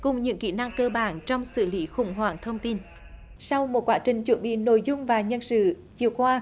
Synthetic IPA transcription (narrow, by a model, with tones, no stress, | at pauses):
kʊ˨˩ŋ͡mɲɨ̰˧˥ŋkḭ˧˩na˧ŋkəː˧ɓaː˨˩nt͡ɕɔ˧wŋ͡msɨ̰˧˨li˧˦xʊ̰˧˩ŋ͡mɦwaː˨˩ŋt̪ʰə˧wŋ͡mt̪i˧n | sa˧wmo˨˩t̚kwaː˨˦˥t͡ɕï˨˩ŋ̟t͡ɕwə˧˥nɓḭ˧˨no̰˧˨jzʊ˧ŋ͡mvaː˨˩ɲə˧nsɨ̰˧˨ | t͡ɕi˨˩əwkwaː˧